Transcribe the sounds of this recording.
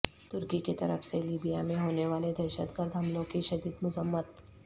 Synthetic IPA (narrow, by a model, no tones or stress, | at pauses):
t̪ʊɾkiket̪ɐɾə̰fseliːbijamẽɦoːneʋaːled̪ɛːʃə̰t̪ɡəɾd̪ʱɦɐmlõkiʃɐd̪iːd̪mʊzəmːət̪